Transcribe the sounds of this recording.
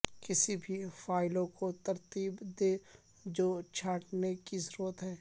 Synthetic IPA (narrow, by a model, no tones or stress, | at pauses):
kɪsibʱifaːɪlõkot̪əɾt̪iːbd̪eː | d͡ʒoːt͡ʃʰaːʈnekisɾoːt̪ɦɛː